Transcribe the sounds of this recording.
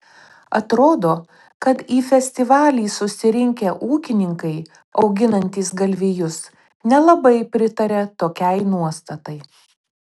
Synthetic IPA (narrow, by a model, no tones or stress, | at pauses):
ɐt̪ɾoːd̪oː | kɐt̪iːfʲɛsʲt̪ʲɪʋɑːlʲiːsʊsʲɪɾʲɪŋʲkʲɛʔuːkʲɪnʲɪŋkɐɪ | ɒʊɡʲɪnɐnʲt̪ʲiːsɡɐlʲʋʲijʊs | nʲɛlˠɐbɐɪpʲɾʲɪt̪ɐɾʲɛt̪oːkʲɛɪnuɔst̪ɐt̪ɐɪ